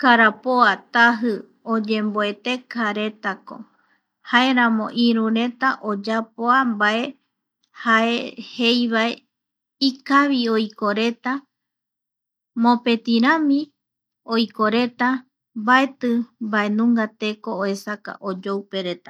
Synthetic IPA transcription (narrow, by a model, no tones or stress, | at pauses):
kaɾapoat̪aɦɨ | od͡ʒẽ̞mboe̞t̪e̞kʰaɾe̞t̪ako̞̰ | hae̞ɾãmõ̞ʔĩɾũɾe̞t̪aʔod͡ʒapoambae | hae̞he̞jβae | ikaβiojko̞ɾe̞t̪a | mõ̞pe̞t̪ĩɾãmĩ | ojko̞ɾe̞t̪a | mbae̞t̪ɨmbae̞nũŋɡat̪e̞ko̞oe̞saka̰ʔod͡ʒowpe̞ɾe̞t̪a